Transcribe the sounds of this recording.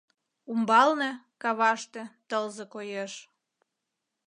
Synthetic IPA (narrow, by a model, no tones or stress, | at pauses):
umbɑlnĕ | kɑβɑʃt̪et̪əlzekojeʃ